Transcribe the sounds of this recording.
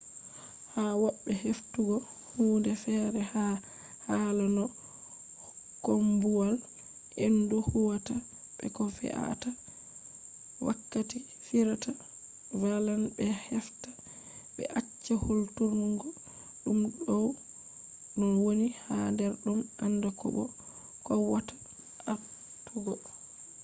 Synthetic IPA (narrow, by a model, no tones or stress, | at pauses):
hawɔɓːɛheftuɡɔ | huːndɛfɛɾɛha | haːlanɔ | kombuwal | ʔenduhuwata | ɓ̥ɛ̰kɔfɛ̰ʔa̰ta | wa̰kːati | fiɾata | valanbɛhɛftḁ | ɓɛ̰ʔat͡ʃːaholtuɾnuŋɡɔ | ɗumɗɔw | nɔwonihadɛɾɗumandakɔ̰ɓɔ̰ | kɔwatḁ | a | tʰɔɡɔ